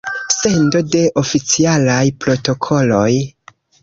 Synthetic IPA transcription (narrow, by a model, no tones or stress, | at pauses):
se̞ndo̞de̞ʔo̞fit͡sialajpɾo̞to̞kʰo̞lo̞j